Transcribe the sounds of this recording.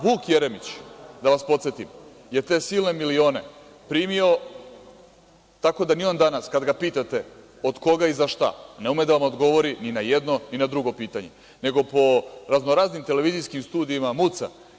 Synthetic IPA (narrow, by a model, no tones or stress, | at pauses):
ʋuːkje̞ɾe̞mit͡ɕd̪aʋaspo̞t̪se̞t̪im | je̞t̪e̞ːsiːlˠne̞milio̞ːne̞ | pɾiːmio̞ | t̪ako̞d̪anio̞nd̪anaskad̪ɡapiːt̪at̪e̞ | o̞d̪ko̞ɡaizaʃt̪a̰ne̞umed̪aʋamo̞d̪ɡo̞ʋo̞ɾininajed̪no̞ninad̪ɾuɡo̞piːt̪aɲe̞̰ | ne̞ɡo̞po̞ɾaznoɾaːznimt̪e̞le̞ʋizijskimst̪uːd̪iːmamut̪sa̰